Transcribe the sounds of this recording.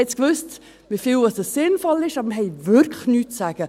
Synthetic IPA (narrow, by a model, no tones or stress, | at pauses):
ɛt͡skvøst | mɪfiːlɑsdəssɪnfɔlɪʃɑːbəɾmɦɛɪvɪɾkʰləxnyːtsaːɡ̥ə